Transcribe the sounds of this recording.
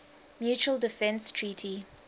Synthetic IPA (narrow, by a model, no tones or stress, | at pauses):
mjuːt͡ʃuəldɪfɛ̃nstʰɹiːtʰi